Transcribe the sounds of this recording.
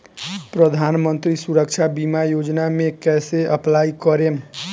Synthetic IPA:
pɾəd̪ʱanmənt̪ɾisuɾək̚t͡ʃʰabimajod͡ʒnamekɛseʔəplaikəɾem

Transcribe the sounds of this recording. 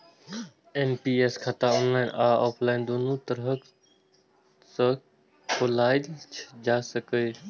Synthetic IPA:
eːnpiːeːskʰat̪aɔːnlaːɪnaːɔːpʰlaːɪnd̪oːnot̪ɐɾɦək | sə | kʰolaːilt͡ʃʰd͡ʒaːsəke

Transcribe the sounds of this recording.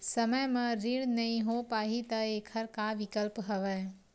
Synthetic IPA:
sɐməjmɐ̃ɾiɽnɐĩɦopaːɦit̪ɐeːkʰəɾkaʋɪkəlpɦɐʋəː

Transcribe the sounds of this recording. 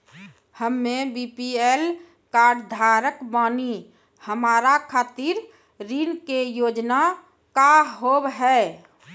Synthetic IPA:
həmːebipiel | kaːɾɖd̪ʱaːɾəkbaːni | həmaːɾakʰaːt̪iɾ | ɾinkejoːd͡ʒna | kaɦobɦɛː

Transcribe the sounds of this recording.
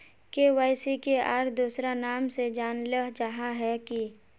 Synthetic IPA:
keʋaːɪsikeaːɾd̪uːsɾanaːmsed͡ʒaːnləɦd͡ʒəɦaɦɛki

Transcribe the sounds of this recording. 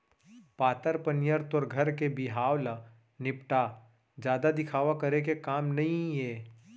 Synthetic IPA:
paːt̪əɾpɐnjəɾt̪ɔɾɡʱɐɾkebɪɦaːwla | nɪpʈa | d͡ʒjaːd̪ad̪ɪkʰaːʋakɐɾekekaːmnɐɦĩjeː

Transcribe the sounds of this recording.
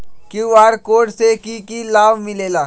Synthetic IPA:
kiʋaːɾkoːɖsekikilaːʋmɪleːlaː

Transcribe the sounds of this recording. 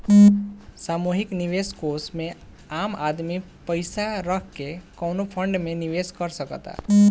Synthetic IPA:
samuɦikniʋeskosme | amad̪mi | pəjsaɾəkkekɔwnopʰəɳɖmeniʋeskəɾsəkə̰t̪a̰

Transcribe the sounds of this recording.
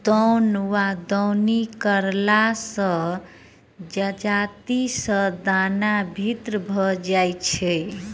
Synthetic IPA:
d̪ɔwnwad̪ɔwnikəɾlasə̃ | d͡ʒəd͡ʒat̪isə̃d̪anabʱit̪ɾəbʱɔd͡ʒajt͡ʃʰɛ

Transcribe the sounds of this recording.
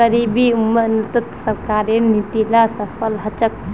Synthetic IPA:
əɾibiumːənt̪ət̪səɾkaɾenit̪ilasəpʰəlɦət͡ʃək

